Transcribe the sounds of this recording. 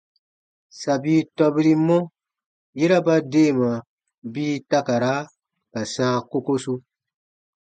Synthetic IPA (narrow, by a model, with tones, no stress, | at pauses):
sa˨biː˦tɔ˦bi˦ɾi˦mɔ̃˦ | je˦ɾa˦ba˦deː˦˨ma˨ | biː˦ta˦ka˨ɾa˦ | ka˨sãː˦ko˦ko˦su˦